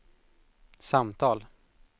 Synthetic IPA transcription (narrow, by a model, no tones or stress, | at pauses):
samt̪ʰɑːl